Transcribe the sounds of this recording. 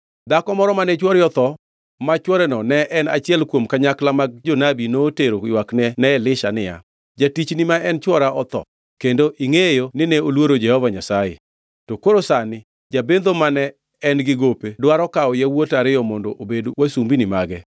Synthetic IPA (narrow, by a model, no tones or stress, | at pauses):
d̪akɔmɔɾɔmanɛt͡ʃwɔɾjɔt̪ɔ | mat͡ʃwɔɾɛnɔnɛʔɛnat͡ʃɪɛlkwomkaɲaklamaɡ̚d͡ʒonabinoːteɾoɪwaknɛnɛɛlɪʃanɪja̰ | d͡ʒatit͡ʃnɪmaɛnt͡ʃwɔɾaʔɔt̪ɔ̰ | kendoʔiŋejonɪnɛolwoɾod͡ʒɛhɔvaɲasajḛ | tokoɾosanɪ | d͡ʒabend̪omanɛː | nɡɪɡopedwaɾɔkaɔjawotaɾɪɔmɔndɔʔobedwasumbinɪmaɡɛ